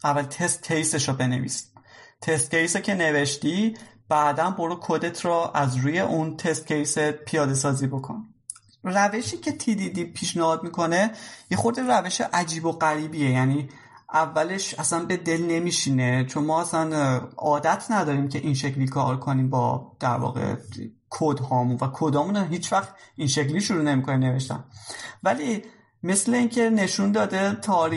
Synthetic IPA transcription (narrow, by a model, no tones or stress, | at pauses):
ʔævːælt̪ʰest̪̚cʰejseʃɔbe̞ne̞̰vḭːst̪ʰe̞st̪̚cejsecʰe̞ne̞ve̞ʃt̪ib̥æːd̪ænboɾukʰod̪e̞t̪ʰɾɔːʔæzɾuːje̞ʔunt̪ʰest̪̚cʰejsepʰijɒːd̪e̞sɒːzibokʰo̰n | ræve̞ʃiːcʰe̞t̪ʰid̪id̪iːpʰiːʃnehɒːd̪mikʰo̞ne̞je̞xo̞ɾd̪eræve̞ʃḛʔæd͡ʒiːbo̞ɣæɾiːbiejæniː | ʔævːæle̞ʃæsænbe̞d̪e̞lne̞miːʃiːne̞t͡ʃʰo̞nmɒːæsænɒːd̪æt̪ʰnæd̪ɒːɾiːmcʰe̞ʔinʃecʰlikʰɒ̰ːɾkʰo̞niːmbɒ̰ːd̪̥æɾvɒ̰ːɣe̞̰ | kʰod̪hɒːmunvækʰod̪ɒːmunæɦiːt͡ʃvæxt̪inʃe̞cliːʃuɾuːne̞mikʰonine̞ve̞ʃt̪æ̰nvæli | me̞sle̞iːŋcʰe̞ne̞ʃund̪ɒːd̪e̞t̪ʰɒːɾ